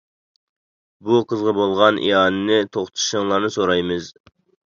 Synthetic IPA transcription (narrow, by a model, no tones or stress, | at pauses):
buqʰəzʁɑbolˠʁɑnʔḭɑːnɨnɪt̪ʰoχt̪ʰɨ̥ʃəŋlˠɑɾnɨsoɾɑjmɨz